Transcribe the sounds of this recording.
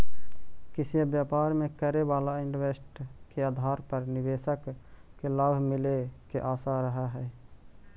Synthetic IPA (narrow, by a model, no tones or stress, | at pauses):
kɪsijebjaːpaːɾmẽkəɾebaːlaɪɳɖʋesʈkeaːd̪ʱaːɾpəɾnɪʋeːʃəkkelabʱmɪlekeʔaːsaɾəɦaɦɛː